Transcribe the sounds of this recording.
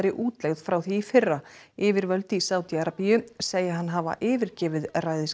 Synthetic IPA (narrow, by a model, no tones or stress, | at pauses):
ɾɪʔuːt̪lɛɣð̥fɾawθiːfɪrːa | ɪːvɪɾvœlt̪ɪisaːwt̪iaɾapijʏseːjɪɦanːɦaːva̰ʔɪːvɪɾcɛːvɪðraːjðɪs